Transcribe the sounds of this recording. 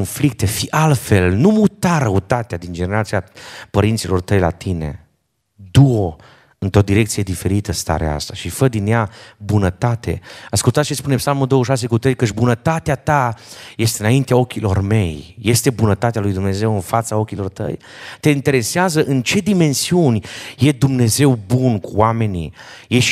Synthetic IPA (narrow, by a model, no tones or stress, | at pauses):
onflik̚t̪e̞fiʔalfe̞lnumut̪aɾəut̪at̪ead̪ind͡ʒene̞ɾat̪siapəɾint̪silo̞rt̪əjla̰t̪ine̞̰ | d̪uo | ɨnt̪o̞d̪iɾe̞k̚t̪sije̞d̪ife̞ɾit̪əst̪a̰ɾḛaa̰st̪aʃifəd̪inːjabunət̪at̪e̞̰askult̪at̪ʃispunepsalmuld̪o̞wəʃ̬as̬e̞kut̪ɾe̞jkət͡ʃʲbunət̪at̪eat̪aje̞st̪eɨnaint̪eao̞kʲilo̞rme̞jːe̞st̪e̞bunət̪at̪ealujd̪umne̞ze̞wɨnfat̪sao̞kʲilo̞rt̪ə̰j | t̪e̞int̪e̞ɾe̞seazəʔɨnt͡ʃe̞d̪ime̞nsiunʲje̞d̪umne̞ze̞wbunkuwame̞nḭje